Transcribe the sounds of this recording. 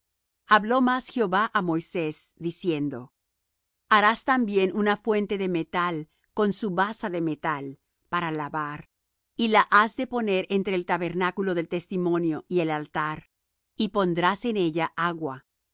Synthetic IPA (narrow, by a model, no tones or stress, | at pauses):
aβlo̞masxeo̞βaʔamo̞jse̞sd̪isje̞nd̪o̞ | aɾast̪ambje̞nunafwe̞nt̪e̞ðe̞me̞t̪al | ko̞nsuβasaðe̞me̞t̪al | paɾalaβaɾ | ilaʔazðe̞po̞ne̞ɾent̪ɾe̞ːlt̪aβe̞ɾnakulo̞ðelt̪e̞st̪imõ̞njo̞ʔie̞lalt̪aɾ | ipo̞nd̪ɾase̞ne̞ʎaʔaɣwa